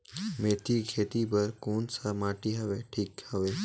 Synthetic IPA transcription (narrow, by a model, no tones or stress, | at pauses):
met̪ʰikʰet̪ipəɾkonsamaʈiɦəʋeʈʰiːkhəʋe